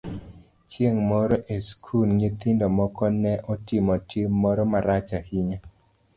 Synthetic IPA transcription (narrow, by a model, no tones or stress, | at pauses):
t͡ʃjeŋmɔɾɔʔeskʰulɲit̪indɔmɔkɔnɛʔɔtɪmɔtjemːɔɾɔmaɾat͡ʃahiɲa